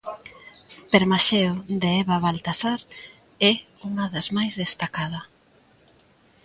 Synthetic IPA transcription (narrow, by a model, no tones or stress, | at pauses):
peɾmaʃeod̪eɛβaβalt̪asaɾ | ɛ | uŋɐðɐzmajzðest̪akað̞ɐ